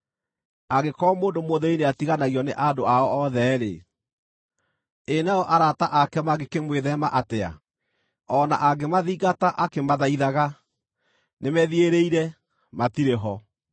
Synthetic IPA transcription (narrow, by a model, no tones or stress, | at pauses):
aɣekɔːmoːndomoðɛineatiɣanaɣiɔnḛʔandoaɔɔðɛːɾḛ | enaɔʔaɾataʔakɛmaɣekemweðɛmaʔatea̰ | ɔna̰ʔaɡemaðiːɣataʔakemaðaiðaɣa | nemɛðieɾeiɾɛ | matiɾeɦɔ